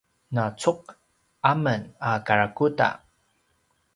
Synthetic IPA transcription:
nat͡suq̚ | amənakaɾakuta̰

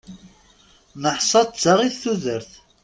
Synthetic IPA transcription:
nəħsˤɑt͡sːaʁiθθuðəɾθ

